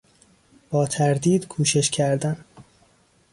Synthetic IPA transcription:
b̥ɒːt̪ʰæɾd̪iːd̪̥kʰuːʃe̞ʃcʰæɾd̪æn

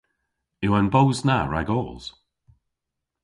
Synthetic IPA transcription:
ɪwanbowznaɹa̰ɡɔːlˠz̥

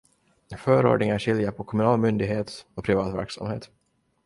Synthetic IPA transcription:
fœːɾo̰ːɖɳɪŋaʂɪljapʰɔkʰɔmɵnɑːlmʏnd̪ɪɡɦeːt̪ɔpʰɾɪvɑːt̪væ̰ɾksa̰mhḛːt̪

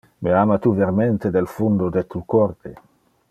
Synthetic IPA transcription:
meamat̪uveɾment̪ed̪elfund̪od̪et̪ukɔrt̪e

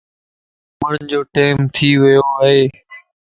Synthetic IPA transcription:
mʊɳd͡ʑoːʈeːmt̪ʰiːʋɪjoːaːɦeː

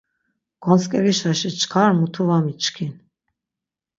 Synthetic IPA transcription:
ɡ̥ɔnt͡skʼɛɾiʃaʃit͡ʃʰkʰaɾmut̪ʰuvamit͡ʃkʰin

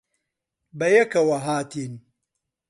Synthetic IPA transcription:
bɐjɐkɐwɐɦaːt̪in

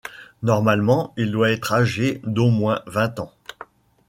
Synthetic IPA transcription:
nɔʁmalmɑ̃ild̪waɛt̪χaʒed̪omwɛ̃vɛ̃t̪ɑ̃

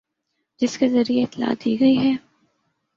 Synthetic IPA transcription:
d͡ʒɪskezɐɾieɪt̪la̰ːd̪iːɡɐiɦɛː

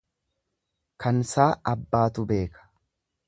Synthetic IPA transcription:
kɐnsaːʔɐbːaːt̪ʊbe̞ːkɐ̥

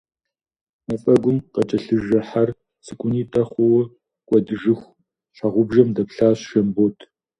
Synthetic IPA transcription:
mɐfʼɐɡʷʊmqɐt͡ʃʼɐɬɨʒɐħar | sɨkʷʼʊniːtʰʼɐχʷɔwɐ | kʷʼɔdɨʒɨxʷ | ɬaʁʷʊbʒɐmdɐpɬaːɕʒɐmboːtʰ

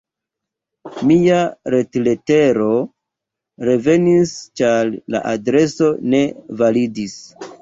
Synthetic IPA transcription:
miaɾe̞tle̞te̞ɾo̞ | ɾe̞ve̞nist͡ʃaɾla̰ʔadɾe̞so̞ne̞validis

